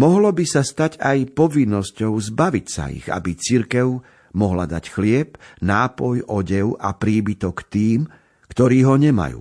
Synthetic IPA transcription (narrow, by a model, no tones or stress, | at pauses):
mɔɦlɔbisast̪aɟajpɔʋinːɔscɔʊzbaʋicsa̰ḭɣa̰bit͡siɾkɛʊ | mɔɦla̰d̪a̰cxlɪɛpnaːpɔjɔɟɛʊʔapɾiːbit̪ɔkt̪iːm | kt̪ɔɾiːɦɔɲɛma̰jṵː